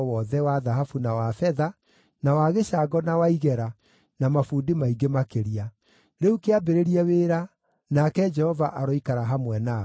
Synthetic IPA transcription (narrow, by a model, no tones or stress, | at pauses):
wɔðɛwaðaɦafunawafɛða | nawaɣeɕaɡɔnawaiɣɛɾa | namafudimaiɡemakeɾia | ɾeukeabeɾeɾiɛweɾa | nakɛd͡ʒɛhɔvaʔaɾɔikaɾaɦamwɛna